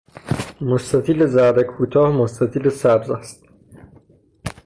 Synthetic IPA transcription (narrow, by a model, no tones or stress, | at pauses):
most̪æt̪ʰiːlezæɾd̪ekʰuːt̪ʰɒːhmost̪æt̪ʰiːlesæbzæst̪